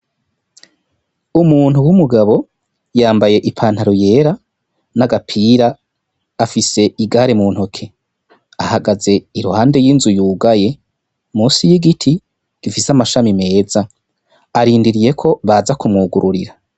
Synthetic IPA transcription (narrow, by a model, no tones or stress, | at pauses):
umuːn̥uwumuɡaβo̞ | jaːmbaje̞ʔipʰaːnhaɾoje̞ːɾa | naɡapʰiːɾaː | fise̞iɡaɾemuːn̥hokʰe̞ | ahaɡaze̞iɾuhaːnde̞jiːnzujuːɡaje̞ | muːsijiɡitʰi | ɡ̥ifisamaʃamime̞ːza | aɾiːndiɾije̞kʰo̞βazakumŋuːɡuɾuɾḭɾa